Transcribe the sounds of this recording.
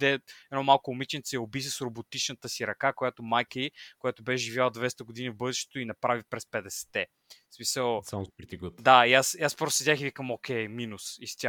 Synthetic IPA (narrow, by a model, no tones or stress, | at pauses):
d̪ɛɛd̪nɔmalˠkʊːmit͡ʃɛnt̪sɛɛobis̬əsɾobot̪it͡ʃnət̪əsiɾɐkakojat̪omajkəikojat̪obɛʒʒivʲjalˠəd̪vɛst̪əɡʊd̪inivbɤd̪ɛʃt̪e̥t̪oinɐpɾavipɾɛspɛd̪ɛsɛ̥t̪ɛ | smisəlˠsamspɾɛt̪iɡɔt̪d̪aiasiaspɾɔst̪ʊsɛd̪ʲaxivikəmɔkʲɛjminusist̪ʲa